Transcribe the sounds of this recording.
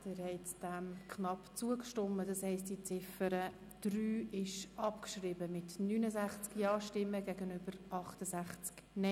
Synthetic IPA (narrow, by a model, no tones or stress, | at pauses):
d̥ɪːɾhɛɪtd̥ɛmkχnɑpt͡suəkʃtɔmːədɑshɛɪstdit͡sɪfəɾə | d̥ɾyːɪʃʔɑpkʃrɪbəmɪtnyːnəzæχt͡skjɑːʃtɪmːəɡɛɡənʏb̥əɾʔɑχtəzæχt͡sk | nɛ